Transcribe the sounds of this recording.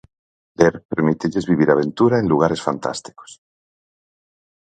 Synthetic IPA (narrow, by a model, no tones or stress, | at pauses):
leɾpeɾmit̪eʎezβiβ̞iɾaβ̞ent̪uɾaẽnluɣ̞aɾesfant̪a̰st̪i̥ko̥s